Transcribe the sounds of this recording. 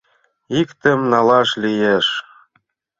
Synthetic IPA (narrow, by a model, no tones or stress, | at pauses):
ikt̪ə̆mnɑlɑʃlijeʃ